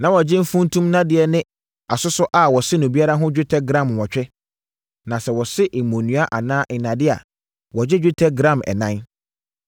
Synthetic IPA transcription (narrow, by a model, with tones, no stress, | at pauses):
nã˨wɔ˨d͡ʑɪ˦m̩˦fũ˦n˦tʰũ˦mnã˦dɪ˨ɛ˨nɪ̃˦ | a˨sʊ˦sʊ˦ʔa˨wɔ˨sɪ˦nʊ̃˨bi˦a˦ɾa˦ɦʊ̃˦d͡ʑᶣɪ˦tʰɛ˦ɡɾã˦˨m˨wɔ˨t͡ɕᶣɛ˦ | nã˨sɛ˨wɔ˨sɪ˦ʔɪ˨mõ˨nũ˨˦a˦ʔa˨nãː˦ɪ˨nã˨dɪ˦a̰˨ | wɔ˨d͡ʑɪ˦d͡ʑᶣu˦tʰɛ˦ɡɾã˦˨mɛ̰˨nã˦n